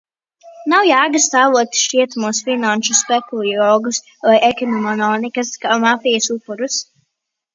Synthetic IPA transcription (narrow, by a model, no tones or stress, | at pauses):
nawjaːɡast̪aːvuɔt̪ʃiɛt̪muːsfinanʃuspɛkulˠiɾɔːɡus | vajʔɛkʲinɔmɔnɔnikaskaːmafijasupːuɾus